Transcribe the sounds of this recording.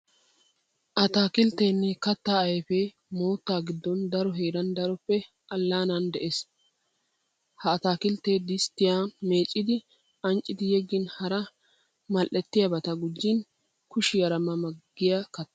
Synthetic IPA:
ʔɐt̪aːkɪlt̪ːeːnːɛkɐt̪ːaːɐjɛfe | moːt̪ːaːɡɪd̪ːɔnd̪ɐɾɔɦeːɾɐnd̪ɐɾɔpːɛ | ɐlːaːnɐnd̪ɛʔeːs | hɐːt̪aːkɪlt̪ːeːd̪ɪst̪ːɪjaːme̞ːt͡ʃʼːɪd̪ɪ | ɐnt͡ʃʼːɪd̪ɪjɛɡːɪnhɐɾɐ | mɐlʔːɛt̪ːɪjɐbɐt̪ɐɡʊd͡ʒːɪn | kʊʃɪɡɐɾɐmɐmɐɡːɪjakɐt̪ː

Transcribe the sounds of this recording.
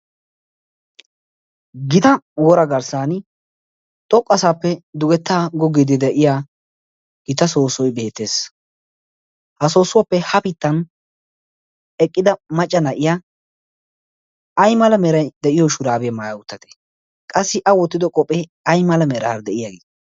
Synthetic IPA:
ɡɪt̪ɐwɔɾɐɡɐɾsaːn | t̪ʼɔkʼːɐsaːpːɛd̪ʊɡɛt̪ːaːɡɔɡɪd̪ɪd̪ɛʔɪjaː | ɡ̥ɪt̪ɐso̞ːsɔjbe̞ːt̪ːe̞ːs | hɐso̞ːsʊwɐpːɛhɐpɪt̪ːɐn | ɛkʼːɪd̪ɐmɐt͡ʃʼːɐnɐʔɪja | ɐjmɐlɐmɛɾɐjd̪ɛʔɪjɔʃʊɾaːbɪjɐmaːjɐʊt̪ːɐd̪e̥ | kʼɐsːɪʔɐwɔt̪ːɪd̪ɔkʼɔpʼɛ | ɐjmɐlɐmɛɾɐːɾd̪ɛʔɪjaɡeː

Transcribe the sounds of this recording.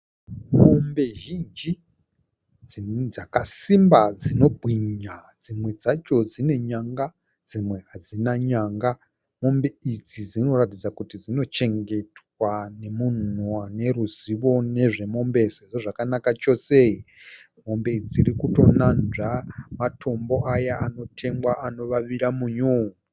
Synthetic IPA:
mo̞mbe̞ʒind͡ʒi | d͡zid͡zakasimbad͡zino̞bʱwiɲad͡zimwe̞d͡zat͡ʃo̞d͡zine̞ɲaŋɡa | d͡zimwe̞ad͡zinaɲaːŋɡa | mo̞mbe̞id͡zid͡zino̞ratid͡zakutid͡zino̞t͡ʃe̞ŋɡe̞twane̞mun̤uane̞ɾuziʋo̞ne̞ʐe̞mo̞mbe̞se̞ʐo̞ʐakanakat͡ʃo̞se̞i | mo̞mbe̞id͡ziɾikuto̞nanʐamatʰo̞mbo̞ʔajaano̞tʰe̞ŋɡwaʔano̞ʋaʋiɾamuɲo

